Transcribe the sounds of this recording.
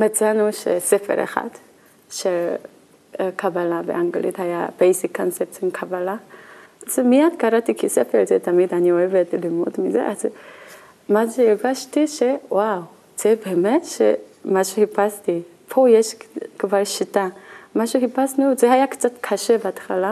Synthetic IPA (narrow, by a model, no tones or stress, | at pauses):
mat͡sanuʃḛsefḛɾḛχa̰d̪ | ʃel | kʰabalabḛʔaŋɡlḭt̪haja̰b̥ejsikʰːonsep̚t͡sonkʰabala | zemiad̪kaɾat̪ikʰisefelzet̪amid̪anioevet̪limṵd̪mizḛʔaz | maʃeiɾɡaʃtiʃe̞waw | z̥ebeːmetʃḛmaʃuhipasti | pʰo̞jeʃkvalʃitamaʃuhipasnuzehajakt͡satkʰaʃe̞beatxala